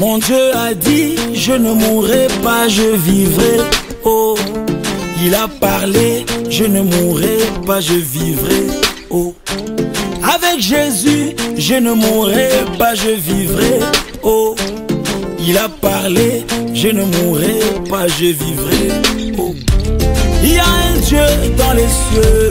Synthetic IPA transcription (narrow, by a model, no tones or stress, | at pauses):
mɔ̃d̪jøad̪iʒənəmuʁɛpaʒəvivʁɛ | o | ilapaʁleʒənəmuʁɛpaʒəvivʁɛ | o | avɛkʒezyʒənəmuʁɛpaʒəvivʁɛ | o | ilapaʁleʒənəmuʁɛpaʒəvivʁɛo | ijaɛ̃d̪jød̪ɑ̃lɛsø